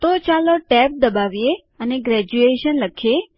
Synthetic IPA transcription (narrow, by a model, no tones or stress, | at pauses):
t̪ot͡ʃaloʈɛp̚d̪əbaʋije | əneɡɾɛd͡ʒueʃənləkʰe